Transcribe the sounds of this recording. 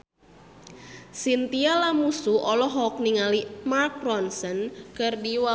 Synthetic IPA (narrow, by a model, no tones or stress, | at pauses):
sint̪ialamusuʔɔlɔɦɔk̚niŋalimark̚rɔnsənkərdiwa